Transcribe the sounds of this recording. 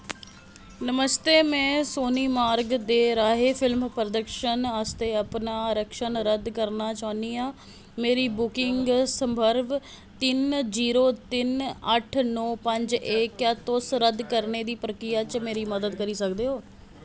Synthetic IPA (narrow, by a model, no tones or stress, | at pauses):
nəməst̪eːmɛ̃ːsoːniːmaːɾɡd̪eːɾaːɦeːpʰɪlmpɾəd̪əkʃənast̪eːəpnaːɾəkʃənɾəd̪kəɾnaːt͡ʃaːniːaː | meːɾiːbʊkɪŋɡsəmbʱəɾʋ | t̪ɪnziːɾoːt̪ɪnəʈʰnɔːpəɲd͡ʒekjaːt̪ʊsɾəd̪kəɾneːd̪iːpɾəkɾijaːt͡ʃmeːɾiːməd̪əd̪kəɾiːsəkd̪eːɦoː